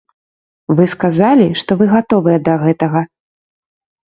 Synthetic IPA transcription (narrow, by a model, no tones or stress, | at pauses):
vɨskazalʲiʂt̪ɔvɨɣat̪ɔvɨjɛd̪ɐɣɛt̪ɐɣɐ